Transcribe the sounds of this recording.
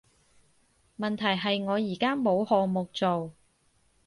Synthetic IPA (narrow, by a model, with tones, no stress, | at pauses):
mɐ˨nt̪ʰɐ˨˩jɦɐ˨jŋɔː˨˧jiː˨˩kaː˥mo˨˧whɔː˨ŋmʊ˨k̚t͡so˨w